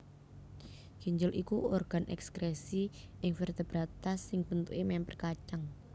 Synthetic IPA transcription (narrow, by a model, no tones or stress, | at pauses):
ɡ̥iɲd͡ʒʊlʔikuorɡ̥a̤nʔɛ̰kskɾesiɪŋfert̪eb̥ɾat̪asːɪŋb̥ənt̪ṵʔemɛmpərkat͡ʃaŋ